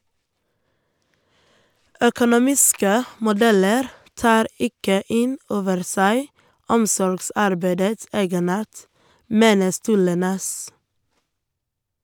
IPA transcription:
œkʊnʊˈmiːskə mʊˈdɛləɾ ˈtɑːɾ ˈɪkə ˈɪn ˈoːʋəɾ ˈsæɪ ˈɔmsɔɾɡˌsɑɾbæɪdəts ˈeːɡəˌnɑːʈ ˈmeːnə ˈstʉːɭə ˈnɛs

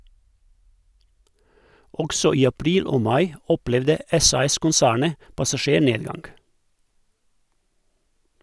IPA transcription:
ˈɔɡsɔ ˈiː ɑˈpɾiːl ˈoː ˈmɑɪ ˈɔˌplɛʋdə ˈɛsɑɛskʊnˌsæːɳə pɑsɑˈʃeːˌɳeːdˌɡɑŋɡ

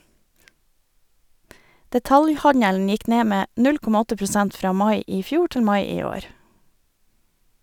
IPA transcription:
dɛˈtɑljˌhɑɲəln ˈjɪk ˈneː ˈmeː ˈnʉl ˈkɔmɑ ˈɔtə pɾʊˈsɛnt ˈfɾɑː ˈmɑɪ ˈiː ˈfjuː ˈʈɪl ˈmɑɪ ˈiː ˈoːɾ

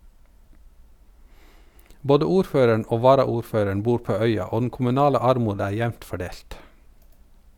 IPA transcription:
ˈboːdə ˈuːɾˌføːɾəɳ ˈʔoː ˈʋɑːɾɑuːɾˌføːɾəɳ ˈbuːɾ ˈpoː ˈœʏɑ ˈoː dn̩ kʊmʉˈnɑːlə ˈɑɾˌmuːd ˈæː ˈjæʋnt fɔˈɖeːlt

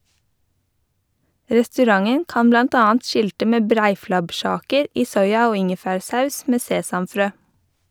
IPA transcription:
ɾɛstʉˈɾɑŋən ˈkɑːn ˈblɑnt ˈɑːɑnt ˈʃɪltə ˈmeː ˈbɾæɪflɑbˌʃɑːkəɹ ˈiː ˈsɔʏɑ ˈoː ˈɪŋəfæːɹˌsɑʉs ˈmeː ˈseːsɑmˌfɾøː

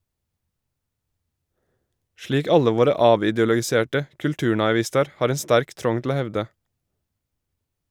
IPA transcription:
ˈʃliːk ˈɑlə ˈʋoːɾə ˈɑːʋɪˌdɪɔlɔɡɪˌseːʈə kʉlˈtʉːɳɑɪˌʋɪstɑɾ ˈhɑːɾ ˈɛn ˈstæɾk ˈtɾɔŋ tl̩ ˈoː ˈhɛʋdə

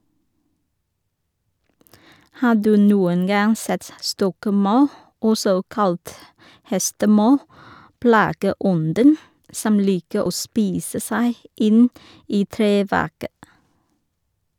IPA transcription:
ˈhɑː ˈdʉː ˈnuːən ˈɡɑŋ ˈsɛt ˈstɔkˌmɑʉ ˈɔsɔ ˈkɑlt ˈhɛstəˌmɑʉ ˈplɑːɡəˌɔndən ˈsɔm ˈliːkə ˈoː ˈspiːsə ˈsæɪ ˈɪn ˈiː ˈtɾeːˌʋæʁkə

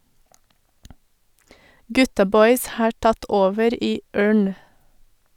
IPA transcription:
ˈɡʉtɑ ˈbɔʏs ˈhɑː ˈʈɑt ˈoːʋəɾ ˈiː ˈøːɳ

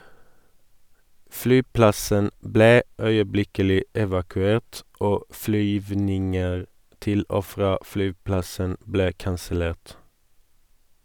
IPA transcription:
ˈflyːˌplɑsən ˈbleː ˈœʏəˌblɪkəlɪ ɛʋɑkʉˈeːʈ ˈoː ˈflyːʋnɪŋəʁ ˈtɪl ˈoː ˈfʁɑː ˈflyːˌplɑsən ˈbleː kɑnsəˈleːʈ

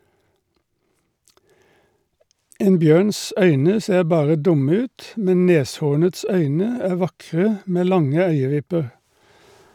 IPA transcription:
ˈeːn ˈbjøːns ˈœʏnə ˈseːʁ ˈbɑːʁə ˈdʊmə ˈʉːt ˈmɛn ˈneːsˌhuːɳəts ˈœʏnə ˈæː ˈʋɑkʁə ˈmeː ˈlɑŋə ˈœʏəˌʋɪpəʁ

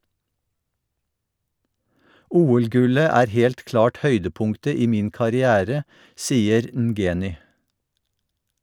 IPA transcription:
ˈʔuːɛlˌɡʉlə ˈæːɾ ˈhɛlt ˈklɑːʈ ˈhœʏdəˌpʊŋktə ˈiː ˈmiːn kɑɾɪˈæːɾə ˈsiːəɾ n̩ˈɡeːnʏ

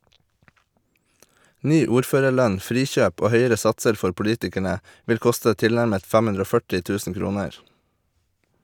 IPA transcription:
ˈnyː ˈuːɾˌføːɾəɾˌlœɲ ˈfɾiːˌçøːp ˈoː ˈhœʏəɾə ˈsɑtsəɾ ˈfɔɾ pʊˈliːtɪkæɳə ˈʋɪl ˈkʊstə ˈtɪlnæɾmət ˈfɛm ˈʉndɾ ˈoː ˈfœʈɪ ˈtʉːsn̩ ˈkɾuːnəɹ

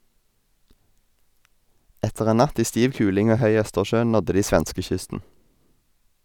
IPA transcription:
ˈɛtəʁ ˈeː ˈnɑt ˈiː ˈstiːʋ ˈkʉːlɪŋ ˈoː ˈhœʏ ˈœstəʃøː ˈnɔdə ˈdiː ˈsʋɛnskəˌçʏstn̩

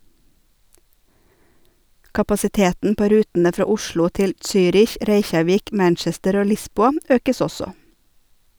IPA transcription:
kɑpɑsɪˈteːtn̩ ˈpoː ˈɾʉːtn̩ə ˈfɾɑː ˈʊʃlʊ ˈtɪl ˈsyːɾɪç ˈɾeɪçɑˌʋiːk ˈmænt͡ʃɛstəɾ ˈoː ˈlɪsbuːɑ ˈøːkəs ˈɔsɔ

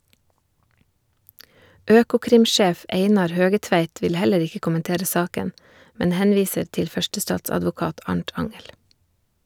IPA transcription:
ˈøːkʊˌkɾɪmˌʃeːf ˈeɪnɑɾ ˈhøːɡəˌtʋæɪt ˈʋɪl ˈhɛləɾ ˈɪkə kʊmənˈteːɾə ˈsɑːkən ˈmɛn ˈhɛnˌʋiːsəɾ ˈtɪl ˈfœʃtəˌstɑːtsɑdʋʊˌkɑːt ˈɑɳʈ ˈɑŋɛl

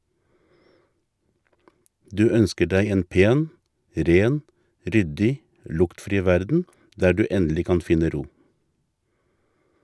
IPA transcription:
ˈdʉː ˈœnskə ˈɖæɪ ˈeːn ˈpeːn ˈɾeːn ˈɾʏdɪ ˈlʊktfɾiː ˈʋæɾdn̩ ˈdæː ˈɖʉː ˈɛndl̩ɪ ˈkɑn ˈfɪnə ˈɾuː

